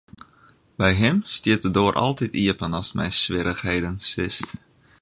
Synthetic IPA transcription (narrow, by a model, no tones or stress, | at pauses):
bɛjɦɪmstiətədʊəɾʔɑ̰lˠtitiəpənɑsmɛ̰jsʋɪɾəxhejdənsɪst